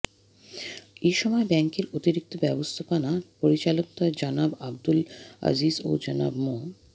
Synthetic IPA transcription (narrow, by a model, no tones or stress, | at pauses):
eʃɔmɔebɛŋkeɾot̪iɾik̚t̪obɛbost̪ʰopanapoɾit͡ɕalok̚t̪aed͡ʑanabab̚d̪ula̰zizo̰d͡ʑana̰bmo